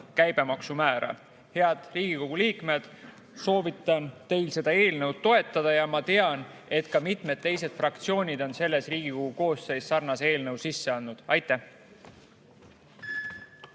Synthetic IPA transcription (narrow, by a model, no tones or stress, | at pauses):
kæjb̥e̞mɑksumæːɾʔɑ̰ | he̞ɑd̪̥riːɡ̥iko̞ɡ̥uliːkme̞d̪̥ | so̞ːvit̪ːˑɑnt̪e̞jlse̞d̪̥ɑe̞ːlnəwd̪̥̚t̪o̞e̞t̪ːˑɑd̪̥ɑjɑmɑt̪e̞ɑn | e̞t̪kɑmit̪ˑme̞d̪̚t̪ːe̞jse̞d̪̥frɑkt̪sio̞ːnʲid̪̥o̞nse̞lːe̞sriːɡ̥iko̞ɡ̥uko̞ːsːe̞jsːɑrnɑse̞ːlnəwsisːe̞ɑnːud̪̥ɑjt̪ːˑæh